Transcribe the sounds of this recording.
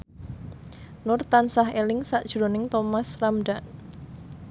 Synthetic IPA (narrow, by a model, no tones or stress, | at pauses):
nʊrt̪ansaɦelɪŋsaʔd̥ʒ̥ɾonɪŋt̪omasramɖan